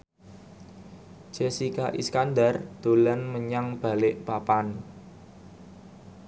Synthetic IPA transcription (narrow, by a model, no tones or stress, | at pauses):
d͡ʒ̥esikaʔiskandard̪̥o̤lənməɲaŋb̥a̤lɪʔpapan